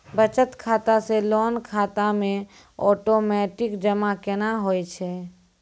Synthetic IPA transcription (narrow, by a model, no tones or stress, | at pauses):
bət͡ʃət̪kʰaːt̪aselɔːnkʰaːt̪amẽ | ɔːʈoːmɛːʈɪkd͡ʒəmakɛnaɦojt͡ʃʰɛ